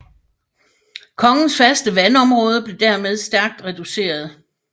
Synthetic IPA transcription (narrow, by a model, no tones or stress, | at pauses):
kʰɒ̽ŋn̩sfæɐsd̥əʋænɒ̽mʁɔ̽ːð̞ˠəb̥le̝d̥æɐmeð̞ˠsd̥æɐɡ̥̚d̥ʁɛd̥use̝̰ːɐð̞ˠ